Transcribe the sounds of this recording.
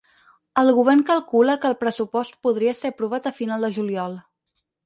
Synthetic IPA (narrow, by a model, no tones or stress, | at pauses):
əlˠɣuβ̞ɛrnkəlˠkuləkəːlˠpɾəsupɔst̪̚puðɾiəsepɾuβ̞at̪əfinalˠd̪əʒuliɔlˠ